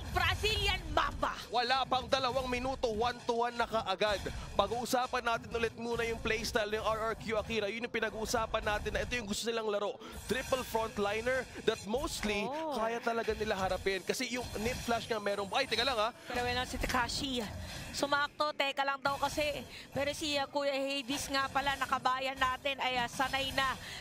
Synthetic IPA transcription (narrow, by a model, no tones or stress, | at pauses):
ŋbɾɐsiljɐnmaːbɐwɐlapɐŋd̪ɐlɐwaŋmɪnuːt̪o̞want̪ʊwanːɐkɐʔɐɡad̪pɐɡuːʔʊsaːpɐnːaːt̪ɪnʔʊlɛt̪̚muːnɐjʊŋplɛjst̪ajlɐjʊŋʔaɹɐɹkjuʔɐkiːɾɐjʊnjʊŋpɪnɐɡuːʔʊsaːpɐnːaːt̪ɪnːɐʔɛt̪o̞jʊŋɡʊst̪o̞nɪlaŋlɐɾo̞ | t̪ɾɪpɐlfɾont̪lajnɛɹd̪ɐt̪̚mowst̪likaːjɐt̪ɐlɐɡanɪlaɦɐɾɐpɪnkɐsɛjʊŋnɪp̪̚flaʃŋɐmɛːɾoŋbʔajt̪ɛɡɐlaŋaɛɾɐwɛnɐsɪt̪ɪkaːʃisʊmaʔɐk̚t̪o̞t̪ɛːkɐlɐŋd̪ɐwkɐsɛpɛːɾosiɐkuːjɐhejd̪ɪsŋapɐlanɐkɐbaːjɐnːaːt̪ɪnɐjasɐnajnɐ